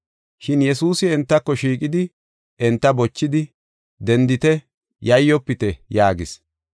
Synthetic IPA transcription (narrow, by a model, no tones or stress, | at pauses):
ʃɪnjɛsuːsɪɛnt̪ːɐkːɔʃiːkʼɪd̪ɪ | ɛnt̪ːɐbɔt͡ʃːɪd̪ɪ | d̪ɛnd̪ɪt̪ɛ | jɐjːɔpːɪt̪ɛjaːɡɪs